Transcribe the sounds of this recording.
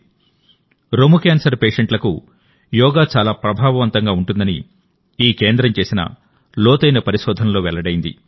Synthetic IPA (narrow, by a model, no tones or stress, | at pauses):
ɾomukaːnsɐɾpe̞ːʂɐɳʈlɐkṵ | jɔːɡaːt͡ʃaːlaːpɾɐbʱaːʋɐʋɐnt̪ɐŋɡaːuɳʈund̪ɐnḭ | iːke̞ːnd̪ɾɐmt͡ʃe̞ːsinɐ̰ | lɔːt̪ɐjnɐpɐɾiʃɔːd̪ʱɐnlo̞ːʋɛlːɐɽɐjind̪ḭ